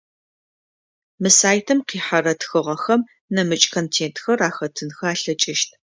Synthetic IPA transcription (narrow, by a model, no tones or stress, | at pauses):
mɨsaːjtʰɨmqiːħarɐtxɨʁɐxɐm | nɐmɨt͡ʃʼkʰoːntʰeːntʰxɐraːxɐtʰɨnxɐaːɬɐt͡ʃʼɪʃtʰ